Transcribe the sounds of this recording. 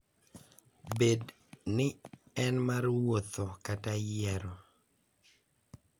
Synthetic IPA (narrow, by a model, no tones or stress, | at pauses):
bed | nɪɛnmaɾwot̪okatajɛɾɔ